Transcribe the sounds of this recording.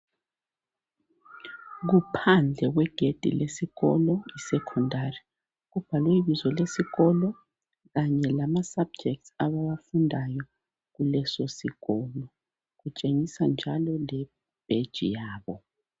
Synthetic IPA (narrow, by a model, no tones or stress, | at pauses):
ɣupʰand͡ɮʱɛɣwɛɡ̥ʱed̥ʱḭlʔesiɣɔlɔisɛkʰɔndʱari | ɣuv̥alwɛiβizɔlesiɣɔlɔ | ɣaɲɛlamasab̚d͡ʒɛk̚tsaβawafundʱajɔ | ɣulɛsosiɣɔlɔ | ɣut͡ʃʼeŋisand͡ʒʱalɔlɛ | b̥ʱed̥ʒ̥ʱḭjaːβɔ